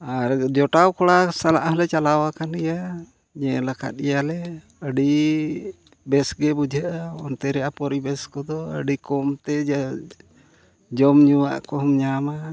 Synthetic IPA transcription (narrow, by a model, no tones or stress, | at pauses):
aɾd͡ʒɔʈawkɔɽasalaʔɦɔlɛt͡ʃalawakanɛja | ɲɛlakʰa̰t̪̚ijalɛ | əɖi | bɛsɡɛbud͡ʒʱaʔaɔnt̪ɛɾɛapɔɾibɛskɔd̪ɔə̰ɖikɔmt̪ɛ | d͡ʒɔmɲuwa̰ʔkɔɦɔmɲama